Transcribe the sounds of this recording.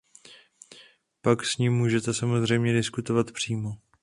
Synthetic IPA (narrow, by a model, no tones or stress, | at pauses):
paksɲiːmːuːʒɛt̪ɛsamo̞zr̝ɛjmɲɛdɪskut̪o̞vat̪pr̝̥iːmo